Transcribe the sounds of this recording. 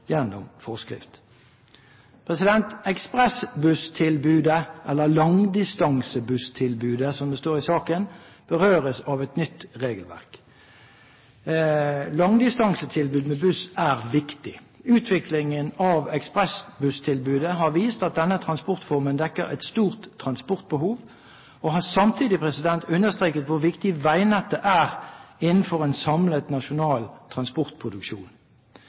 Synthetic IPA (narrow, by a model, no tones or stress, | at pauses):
jɛnːʊ̰mfɔʁskʁɪ̰ft̪ | pʰʁɛsɪd̪ɛnt̪ɛkspʁɛsbʉst̪ʰɪlbʉːd̪əʔɛlːəlɑŋd̪ɪst̪ɑŋsəbʉst̪ʰɪlbʉːd̪əsɔmd̪əst̪oːʁɪsɑːkən | b̥əʁøːʁəsɑʋɛt̪nʏt̪ʁeːɡəlʋæ̰ʁk | lɑŋd̪ɪst̪ɑŋsət̪ʰɪlbʉːd̪mɛbʉsæːʁʋɪkt̪ɪ | ʉːt̪ʰʋɪklɪŋənɑʋɛkspʁɛsbʉst̪ʰɪlbʉːd̪əɦɑʁʋiːst̪ɑt̪̚d̪ɛnːət̪ʰʁɑnspɔʁt̪fɔʁmənd̪ɛkːəʁæ̰ɪt̪st̪uːʁt̪ʰːʁɑnspɔʁt̪̚bəhuːʋ | ɔɦɑsɑmt̪ʰiːd̪ɪpʰʁɛsɪd̪ɛnt̪ʰʉnːəst̪ʁeːkət̪ʋʊʁʋɪkt̪ɪʋæɪnɛt̪ːəʔæːʁɪnn̩fɔʁɛnsɑmlət̪nɑʃʊnɑːlt̪ʰʁɑnspɔʁt̪̚pʰʁʊd̪ʉkʃuːn